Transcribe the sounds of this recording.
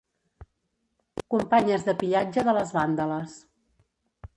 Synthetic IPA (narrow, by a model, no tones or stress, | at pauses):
kumpaɲəzðəpiʎad͡ʒəðələzβand̪ələs